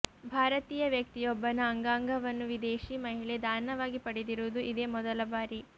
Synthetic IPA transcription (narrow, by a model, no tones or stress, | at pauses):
bʱaːɾɐt̪iːjɐʋjɐk̚t̪ijɔbːɐnaːŋɡaːŋɡʱɐʋɐnːuʋid̪eːʃimɐɦiɭed̪ʱaːɾnɐʋaːɡipɐɽed̪iɾuːd̪uʔid̪e̞ːmɔd̪ɐlɐbaːɾi